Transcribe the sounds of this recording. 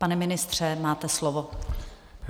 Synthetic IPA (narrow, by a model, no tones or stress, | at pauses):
panɛmɪnɪst̪r̝̥ɛmaːt̪ɛslovo